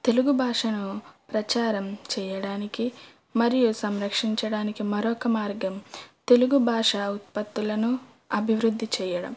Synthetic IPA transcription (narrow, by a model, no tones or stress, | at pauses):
t̪e̞luɡubʱaːʂɐnupɾɐt͡ʃaːɾɐmt͡ʃɛːjɐɽaːniki | mɐɾijusɐmɾɐkʂiɲt͡ʃɐɽaːnikimɐɾɔːkɐmaːɾɡɐmt̪e̞luɡubʱaːʂɐut̪̚pɐt̪ːulɐnu | ɐbʱiʋɾud̪ʱːit͡ʃɛːjɐɽɐ̰m